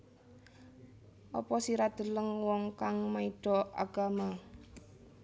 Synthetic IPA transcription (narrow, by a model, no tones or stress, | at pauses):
ʔɔpɔsiɾad̪̥ə̤ləŋwɔŋkaŋmaiɖ̥ɔa̰ɡ̥a̤ma